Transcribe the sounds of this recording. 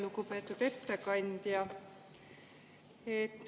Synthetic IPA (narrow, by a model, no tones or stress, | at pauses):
lukupe̞ːt̪ːˑud̪̥e̞t̪ːekɑnʲd̪̥jɑ | et̪ˑː